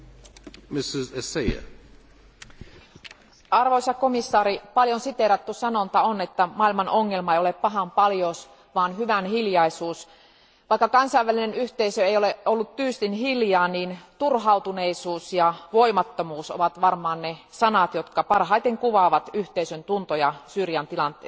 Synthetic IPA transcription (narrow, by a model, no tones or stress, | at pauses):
mɪsɪzeseɪə̰ | ʔɑrʋoisɑkkomisːɑːɾipɑljonsit̪eɾɑt̪ːusɑnont̪ɑonet̪ːæmɑilmɑnoŋːelmɑejoeppɑɦɑmpɑljos | ʋɑːnhyʋænhiljɑisuːs | ʋɑˑikːɑkɑnsɑiʋælinenyht̪eisøejoleolːut̪t̪yːst̪inhiljɑːniːnt̪urɦɑut̪uneisuːsjɑʋoimɑt̪ːomuːso̰ʋɑt̪ʋɑrmɑːnnesɑnɑt̪jot̪kɑpɑrɦɑit̪eŋkuʋɑʋɑt̪yht̪eisønt̪unt̪ojɑsyːrjɑnt̪ilɑnt̪ḛːsɑ